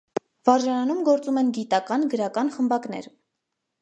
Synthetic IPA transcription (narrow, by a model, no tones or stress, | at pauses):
vɑɾʒɑnɑnumɡɔɾt͡sumɛnɡit̪ɑkɑnɡəɾɑkɑnχəmbɑkn̪ɛ̰ɾ